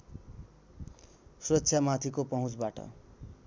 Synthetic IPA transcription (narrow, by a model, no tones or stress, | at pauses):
suɾʌtːsʰjamat̪ʰikopʌɦũt͡sbaʈʌ̰